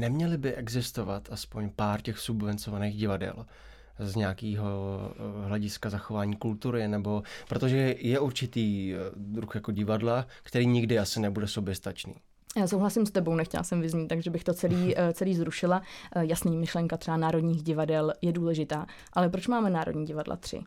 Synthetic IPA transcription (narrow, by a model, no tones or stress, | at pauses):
nɛmɲɛlɪbɪʔɛɡzɪst̪o̞va̰t̪ʔaspo̞ɲpaːɾcɛxsubvɛnt͡sovaneːɣɟɪvadɛ̰l | zɲɛakiːɦo | ɦlɛɟɪskazaxo̞vaːɲiːkult̪uɾɪnɛbo̞pɾot̪oʒɛjɛʔuɾt͡ʃɪt̪iːd̪ɾuxjako̞ɟɪvadlakt̪ɛɾiːɲɪɡdɪasɪnɛbudɛsobjɛst̪at͡ʃnḭː | jaːsowɦlasɪmst̪ɛbownɛxcɛ̰la̰sɛmvɪzɲiːt̪ːaɡʒɛbɪxt̪o̞t͡sɛliːt͡sɛliːzɾuʃɪlajasniːmɪʃlɛŋkat̪rɛanaːɾo̞dɲiːɣɟɪvadɛljɛduːlɛʒɪt̪aː | ʔalɛp̬ɾot͡ʃmaːmɛnaːɾodɲiːɟɪvadla̰t̪r̥ɪ̰